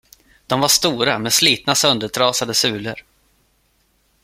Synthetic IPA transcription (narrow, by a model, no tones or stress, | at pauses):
d̪̥ɔmvaʂt̪uːɾamɛsliːt̪̚nasœnd̪əʈʰɾɑːsad̪əsʉ̟ːlə̰ɾ